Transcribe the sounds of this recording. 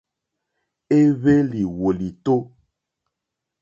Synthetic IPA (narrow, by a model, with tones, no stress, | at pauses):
e˦βe˦li˨wo˨li˨t̪o˦